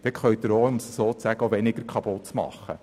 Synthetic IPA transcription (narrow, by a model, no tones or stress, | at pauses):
d̥̪ɛkχœʏt̪əɾoʊmsəsoːt͡sæɡ̥əoʋɛnɪɡəɾkʰɑbott͡smɑ̰χːə̰